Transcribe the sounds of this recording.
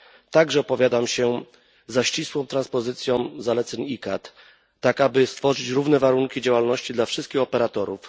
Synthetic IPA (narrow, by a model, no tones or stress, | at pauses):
t̪aɡʐɛɔpɔvʲjad̪amɕɛ | zaɕt͡ɕiswɔ̃w̃t̪ɾanspɔzɘt̪sʲjɔ̃w̃zalɛt̪sɛɲikat̪ː | akabɘst̪fɔʐɘt͡ɕɾuvnɛvaɾuŋkʲid͡ʑawalnɔɕt͡ɕid̪lafʂɘst̪kʲixɔpɛɾat̪ɔɾṵf